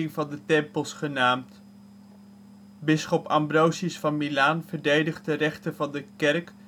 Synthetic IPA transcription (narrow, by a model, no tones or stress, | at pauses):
ɪŋvɑndətɛmpəlˠsχənaːmt | bɪsχɔpɑ̰mbrowsisfɑnmilaːnv̥əɹdejdəχ̚dərɛχtəvɑndəkɛɹk